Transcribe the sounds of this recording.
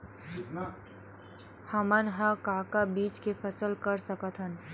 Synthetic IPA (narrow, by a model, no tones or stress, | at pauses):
hɐmənɦəkaːkabiːt͡ʃkepʰɐsəlkɐɾsɐkət̪ʰɦən